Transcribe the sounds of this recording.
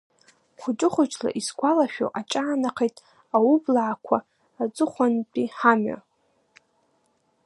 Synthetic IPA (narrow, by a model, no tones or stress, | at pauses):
χʷʊt͡ʃʼɪχʷʊt͡ʃʰʼla̰ʔisɡʷalaʃᶣo̰ʔat͡ʃʼaːnaqʰejtʼ | awublaʕakʷʰaː | d͡zɨχʷanpʼiħama̰